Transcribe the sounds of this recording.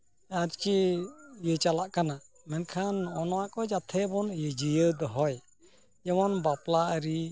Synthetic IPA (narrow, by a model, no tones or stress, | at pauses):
ad͡ʒkijət͡ʃalaʔkana | mɛnkʰanɔnɔwaʔkɔd͡ʒat̪ʰɛbɔnjəd͡ʒijəd̪ɔɦɔj | jɛmɔnbaplaʔəɾi